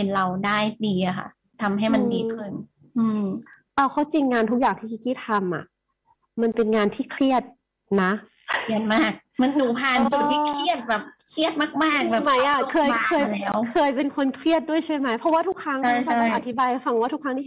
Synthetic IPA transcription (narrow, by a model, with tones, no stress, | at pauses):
e˧nɾa˧wdaː˥˩jdiː˧ʔa˩kʰa̰˥˩ | t̪ʰa˧mɦa˥˩jma˧n˧diː˧kʰɯ˧˩n | ʔɯː˧m | ʔaː˧˩kʰa˥˩wt͡ɕi˧ŋŋaː˧nt̪ʰu˦˥k̚jaː˨˩ŋt̪ʰiː˥˩ki˧˥˩kiː˥˩t̪ʰːa˧mʔa̰˨˩ʔ | ma˧npe˧nŋaː˧nt̪ʰiː˥˩kʰɾi˥˩ət̪̚ | na˦˥ | i˧˩ənmaː˥˩k̚ma˧nːuː˩˦pʰaː˧˩nt͡ɕu˨˩t̪ʰːiː˥˩kʰɾi˥˩ət̪̚bɛː˨˩p̚kʰɾi˥˩ət̪̚maː˥˩k̚maː˥˩k̚bɛː˨˩ma˦˥jjʔa˨˩kʰɤː˧jkʰɤː˧jlɛː˦˥wkʰɤː˧jpe˧nkʰo˧nkʰɾi˥˩ət̪̚du˥˩əjt͡ɕʰa˥˩jma˦˥jpʰɔ˦˥waː˥˩t̪ʰu˦˥k̚ʰɾa˦˥ŋʰ˥˩˥a˩˥˩ʔt̪ʰi˦˥baː˧jʔa˧˩fa˧˩ŋ˦waː˥˩u˦˥kʰːa˦˥niː˥˩